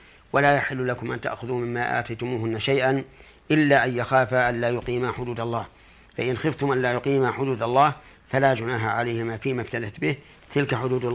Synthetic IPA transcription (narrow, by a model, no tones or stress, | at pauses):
walaːjaħɪlːʊlakʊmʔant̪a̰ʔxʊðumɪmːaːʔa̰ːt̪ajt̪ʊmuːɦʊnːaʃajʔan | ʔɪlːaːʔanjaxaːfaʔanlaːjʊqiːmaħʊd̪uːd̪ɑlˤːɑːh | faʔɪnxɪft̪ʊmʔanlaːjʊqiːmaħʊd̪uːd̪alˤːɑːh | falaːd͡ʒʊnaːɦaʕalajhɪmaːfiːmaft̪ad̪at̪bɪh | t̪ɪlkaħʊd̪uːd̪